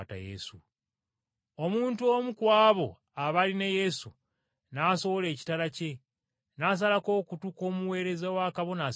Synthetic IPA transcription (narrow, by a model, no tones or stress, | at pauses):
ta̰jḛsu | omuːntuo̞mukwaːβo̞ | aβalineje̞su | naːso̞βo̞le̞ːci̥talace̞ | nas̬alako̞ːkutuko̞ːmuwe̞ːɾe̞zawaːkaβo̞na